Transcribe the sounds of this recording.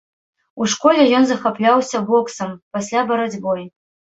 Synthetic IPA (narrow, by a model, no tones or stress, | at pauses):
uʂkɔlʲɛjɔnzɐxaplʲawsʲɐbɔksɐmpasʲlʲabɐɾad͡zʲbɔj